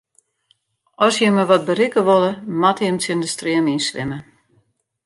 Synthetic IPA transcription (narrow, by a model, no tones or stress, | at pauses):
ɔsjəməʋɔt̚bərikəʋolˠəmatjəmtjəndəstrɪəminsʋɪ̰mə